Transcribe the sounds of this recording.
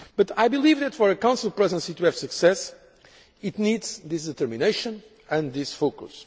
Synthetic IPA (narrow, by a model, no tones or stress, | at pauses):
b̥ʌt̪ajbilˠivðɛt̪fɔɾɨkãw̃silˠpɾɛzə̃nsit̪uɛv̥sɨksɛs | it̪nid̪z̥ðis̬d̪ɨt̪əɾmineɪʃə̃n | ɨ̃nðisfokṵs